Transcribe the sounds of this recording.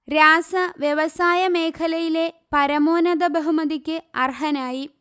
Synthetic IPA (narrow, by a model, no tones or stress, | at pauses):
ɾaːsɐʋjeʋɐsaːjɐme̞ːkʰɐlɐjile̞pɐɾɐmoːnɐd̪ɐbɐɦumɐðikʲːɨɐrɦɐnaːji